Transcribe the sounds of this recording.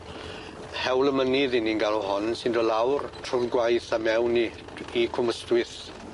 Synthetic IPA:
hɛwləməniðɪninɡalˠɔɦɔnsɪndɔlawrtʰrʊvɡwajθamɛwni | ikʰʊməstwɪθ

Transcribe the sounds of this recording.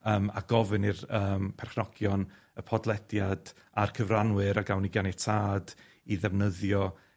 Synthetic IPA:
əːma̰ɡ̥ɔvɨnirəːmpʰɛrχnɔɡ̥jɔn | əpʰɔdlˠɛdjad | arkʰəvranwɨɾaɡawnɪɡjanɛtʰaːd | iðɛvnəðjɔ

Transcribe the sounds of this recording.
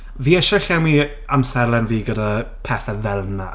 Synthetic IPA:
viːɛʃɛɬɛmi | amsɛɾlˠɛnviːɡədapʰɛθɛðɛlˠna̰

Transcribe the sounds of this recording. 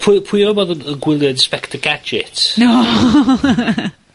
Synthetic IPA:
pʰpʰiəmɔðəəɡwɪlˠjənspɛktʰəɡad͡ʒɪtno

